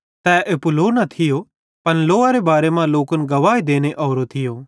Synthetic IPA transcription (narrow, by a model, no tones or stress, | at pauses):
t̪ɛːʔepʊloːnɐt̪ʰɪjo | pɐnloːaɾebaːɾemãloːkənɡɐʋaːid̪eːñeʔɔːɾot̪ʰɪjoː